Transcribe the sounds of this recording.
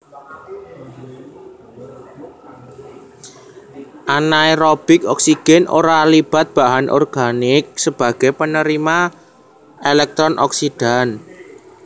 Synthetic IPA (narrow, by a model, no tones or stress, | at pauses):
ʔanaeɾɔb̥ɪkɔksiɡ̥ɛno̰ɾalib̥a̤t̪̚b̥a̤ɦanʔɔ̰rɡ̥anɪk̚səb̥a̤ɡ̥ɛpənəɾima | elɛk̚t̪ɾɔnʔɔ̰ksid̥a̤n